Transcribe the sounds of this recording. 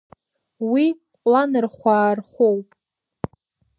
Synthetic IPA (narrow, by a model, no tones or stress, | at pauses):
wi | lanɨrχʷaːrχʷowpʼ